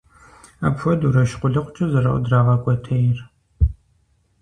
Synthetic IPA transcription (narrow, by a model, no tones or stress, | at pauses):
a̰pfɔduɾɐʃqʷʊɮɨqʷʼʊt͡ʃʼɐzɐrɐ̰ʔʷʊ̰draːʁɐkʷʼɔtʰɐjɪr